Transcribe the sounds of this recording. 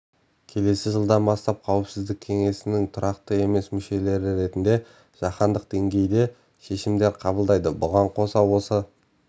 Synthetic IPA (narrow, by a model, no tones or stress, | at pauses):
kʲʰe̞le̞sɪʒəlˠd̪ɑnbɑst̪ɑp̚qʰɑwɪpsɪzd̪ɪkʲʰːe̞ŋe̞sɪnɪŋt̪ʰʊɾɑqt̪əe̞me̞smʏʃe̞le̞ɾɪɾe̞t̪ɪnd̪e̞ | ʒ̥ɑqɑnd̪əq̚d̪e̞ŋɡʲe̞jd̪e̞ | ʃe̞ʃɪmd̪e̞ɾqʰɑbəlˠd̪ɑjd̪əbʊʁɑɴqʰo̞sɑwo̞sə